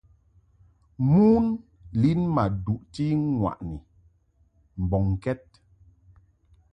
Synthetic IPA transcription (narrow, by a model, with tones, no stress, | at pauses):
mu˦n | li˦nma˨du˨ʔti˦ŋwa̰˨ʔni˨ | m̩˨bɔ˨ŋ˨kɛ˦t̚